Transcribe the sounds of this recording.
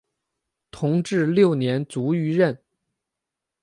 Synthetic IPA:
t̪ʰʊ˧˥ŋʈ͡ʂɻ̩˥˧ljo˥˩ʊnjɛ˧˥nt͡su˧˥y˧˥ɻə˥˩n

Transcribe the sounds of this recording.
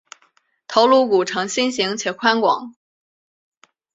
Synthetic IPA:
t̪ʰo˧˥ʊlu˥˩ku˨˩ʈ͡ʂʰɤ˧˥ŋɕi˥nɕi˧˥ŋt͡ɕʰjɛ˨˩kʰwa˥nkwɑ̰˨˩˦ŋ

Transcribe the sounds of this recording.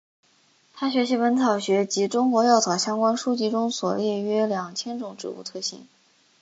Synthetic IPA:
t̪ʰa˥ɕɥɛ˧˥ɕ̬i˧˥wə˧˥nt͡sʰɑ˨˩ʊɕɥɛ˧˥t͡ɕi˧˥ʈ͡ʂʊ˥ŋkwɔ˧˥jɑ˥˩ʊt͡sʰɑ˨˩ʊɕjɑ˥ŋkwa˥nʂu˥t͡ɕi˧˥ʈ͡ʂʊ˥ŋswɔ˨˩ljɛ˥˩ɥɛ˥ljɑ˨˩ŋt͡ɕʰjɛ˥nʈ͡ʂʊ˨˥˩ŋʈ͡ʂɻ̩˥˩ṵ˧˩t̪ʰɤ˥˩ɕḭ˧˥˩ŋ

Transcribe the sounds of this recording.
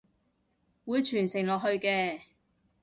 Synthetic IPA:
wuː˨˧jt͡ʃʰyː˨˩nsɪ˨˩ŋlɔː˨k̚ɦɵ˧ɥkɛː˧

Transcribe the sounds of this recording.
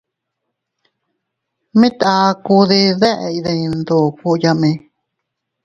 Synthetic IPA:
mĩ˦t̪a˧˦ku˧ði˧ðe˦ʔe˧i˧ðẽ˧ĩ˧nd̪o˨ku˧ja˧mẽ˧

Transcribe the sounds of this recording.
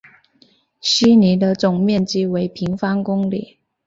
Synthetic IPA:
ɕi˥ni˧˥d̪ə˧t͡sʊ˨˩ŋmjɛ˥˩nt͡ɕi˥we˧˥ɪpʰi˧˥ŋfa˥nkʊ˥ŋlḭ˨˩˦

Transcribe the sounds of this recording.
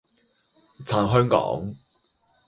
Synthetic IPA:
t͡sʰaː˨˩nɦœː˥ŋkɔ̰ː˨˥ŋ

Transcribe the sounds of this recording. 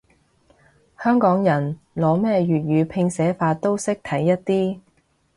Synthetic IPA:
hœː˥ŋkɔː˨˥ŋjɐ˨˩n | lɔː˨˥mɛː˥ɥyː˨t̚jyː˨˧pʰɪ˧ŋsɛː˨˥faː˧t̪o˥wsɪ˥k̚t̪ʰɐ˨˥jːɐ˥t̚t̪iː˥

